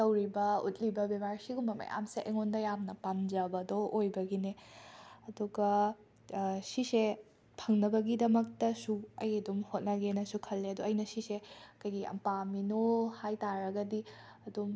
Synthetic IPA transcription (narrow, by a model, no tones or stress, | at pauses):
tɐwɾibɐṵt̚libɐbebaɾsiɡumɐmɐ̰ja̰mseʔḛŋondɐjamnɐpand͡ʒɐbɐdoojbɐɡine | ɐduɡɐ | sise | pʰɐŋnɐbɐɡidɐmɐk̚tɐsuɐ̰jɐdumhot̚nɐɡenɐsukʰɐlːeɐduɐjnɐsisekɐjɡiɐ̰mpaminohajtaɾɐɡɐdiɐdum